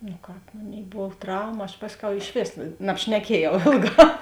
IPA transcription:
nʊ ˈkɑːp ˈmoːˌnʲeːɪ ˈboːw ˈtrɐʊmɐ ɐʃ ˈpɑːsʲˌkʲɛʊ ɪʃʲˈʋʲeːs nɐpʲʃʲnʲɛˈkʲiɛjɛʊ ˈeːlˠˌɡɑː

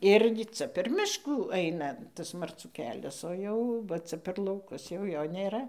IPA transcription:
ˈɪrʲɡʲɪ ˈt͡sɐ pʲɛr ˈmʲɪʃkuː ˈɐɪnɐ ˈtɐs mɐrˈt͡suː ˈkʲæːlʲɛs oː ˈjɛʊ ʋɐ ˈt͡sɐ pʲɛr lˠɐʊˈkʊs jɛʊ ˈjoː nʲeːˈrɐ

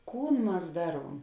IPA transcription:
ˈkuːn ˈmɐs ˈdɑːˌruɔm

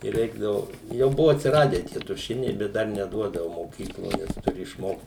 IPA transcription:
ɪ ˈrʲɛɪɡdɐʋʊ jɛʊ ˈbʊʋoː ɐtʲsʲɪˈrɑːdʲæː ˈtʲiɛ tʊˈʃʲɪnʲɛɪ ˈbʲɛt ˈdɐr nʲɛˈduɔdɐʋʊ moːˈkʲiːklˠoː ˈnʲɛs tʊˈrʲɪ ɪʃˈmoːkt

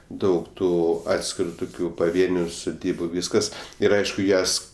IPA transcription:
ˈdɐʊk ˈtuː ˈɑːtʲsʲkʲɪrʊ ˈtʊkʲʊ pɐˈʋʲiɛnʲʊ sʊˈdʲiːbʊ ˈʋʲiːskɐs ˈɪr ˈɐɪʃkʊ ˈjɛs

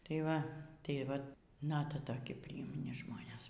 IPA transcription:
tɐɪ ˈʋɐ tɐɪ ˈʋɐ ˈnɑːtɐ toːˈkʲɪ pʲrʲɪjɪmʲˈnʲɪ ˈʒmoːnʲeːs

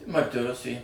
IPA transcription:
tʲɪ mɐrʲˈtʲɪ ˈrʊsʲeː

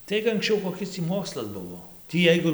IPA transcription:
ˈtɐɪk ɐŋksʲˈt͡ʃʲɛʊ koːˈkʲɪs tʲiː ˈmoːkslˠɐs ˈbʊʋoː ˈtʲiː ˈjɛɪɡʊ

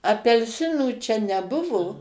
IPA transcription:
ɐpʲɛlʲˈsʲɪnuː ˈt͡ʃʲɛ nʲɛˈbʊʋoː

